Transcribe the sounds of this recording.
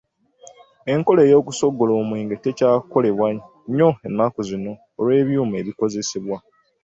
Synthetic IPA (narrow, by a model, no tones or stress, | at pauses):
e̞ŋko̞le̞ːjo̞ːkuso̞ɡːo̞loːmweːŋɡete̞caːko̞le̞βwa | ɲo̞e̞nːakozino̞ːɾwe̞ːβjuːme̞βiko̞ze̞siβwa